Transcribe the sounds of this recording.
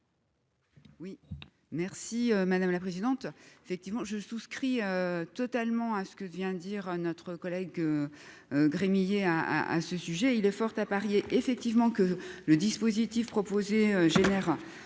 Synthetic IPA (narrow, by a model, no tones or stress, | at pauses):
wi | mɛʁsiømad̪amlapχezid̪ɑ̃t̪efɛk̚t̪ivmɑ̃ʒəsuskχiøt̪ɔt̪almɑ̃asə̥kəvjɛ̃d̪iʁønɔt̪χəkɔlɛɡø | ɡʁemijeaa̰a̰səsyʒɛilɛfɔʁt̪apaʁjeʔefɛk̚t̪ivmɑ̃kələd̪ispozit̪ifpχɔpozeøʒenɛʁ